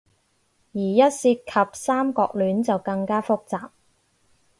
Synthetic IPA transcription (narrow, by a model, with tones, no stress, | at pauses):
jiː˨˩jɐ˥t̚siː˧t̚kʰɐ˨p̚saː˥mkɔ̰ː˧k̚lyː˨˥nt͡sɐ˨wkɐ˧ŋkaː˥fʊ˥k̚t͡saː˨p̚